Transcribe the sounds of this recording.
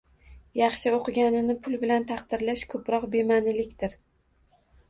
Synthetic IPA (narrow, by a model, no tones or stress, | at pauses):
jɑχʃɪoqʰɨɡʲanɪnɪpʰʊlˠbɪlant̪ʰɑqt̪ɪɾlaʃkʰɵpɾɒqbe̞manɪlɪkʲt̪ɪɾ